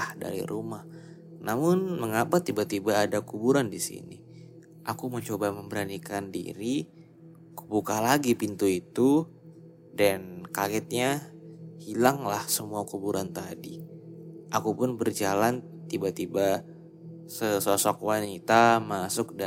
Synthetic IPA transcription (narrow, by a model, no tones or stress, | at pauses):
ada̰ɾḭɾumah | namʊnməŋapat̪ibat̪ibaːdakubuɾandisḭnḭ | ʔakuməɲt͡ʃobaməmbəɾanikandḭɾi | kubukalaɡipint̪uit̪u | dankakɛt̪̚ɲahilaŋlahsəmuakubuɾant̪adi | ʔakupʊnbərd͡ʒalan | t̪ibat̪iba | səsosɔkwanit̪amasʊk̚da